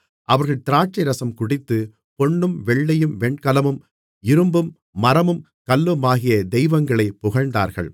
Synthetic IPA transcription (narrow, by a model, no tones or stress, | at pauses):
ʔɐʋɐɾɣɐɭt̪ɪɾaːʈ̚t͡ʃɐɪɾɐsɐmkʊɽɪt̪ːɯ | pɔɳːɯmʋɛɭːɐjɯmʋɛɳkɐlɐmɯm | ɪɾɯmbɯmː | ɐɾɐmɯm | kɐlːɯmaːɣɪjɐd̪ɛjʋɐŋɡɐɭɐɪpʊɣɐɻnd̪a̰ːɾɣɐ̰ɭ